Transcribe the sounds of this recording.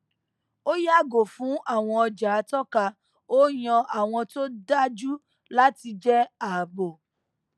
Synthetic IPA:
o˦ja˦˨ɡo˨fũ˨˦ʔa˦˨w̃ɔ̃˧ɔ˧d͡ʒa˨˦tɔ˦ka˧ | o˦j̃ɔ̃˧ʔa˦˨w̃ɔ̃˧to˦da˦d͡ʒu˦ | la˦ti˧d͡ʒɛ˦a˨bo˨

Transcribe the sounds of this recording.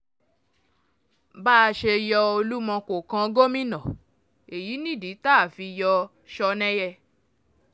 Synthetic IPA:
baː˦˧ʃe˧jɔ˧o˧lu˦mɔ̃˧ko˨kã˧ɡo˦mĩ˦nɔ̃˨ | e˨ji˨˦nĩ˦˨di˨˦taː˦˨fi˧jɔ˧ | ʃɔ˧nɛ̃˦jɛ˧

